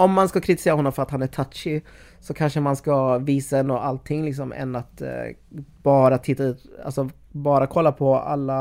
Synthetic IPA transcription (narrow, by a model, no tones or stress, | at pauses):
ɔmːanskakʰɾɪt̪ɪ̥seːɾahɔnːɔmfœɾat̪hanæʈʰat̪ʂɪ | sɔkʰanʂəmanskaviːsaɛnd̪ɔːalt̪ʰːɪŋːlɪksɔmɛ̰nat̪ | b̥ɑːɾat̪ʰɪt̪ːaʉ̟ːt̪a̰lsɔ | bɑːɾakʰɔlːapʰɔa̰lːa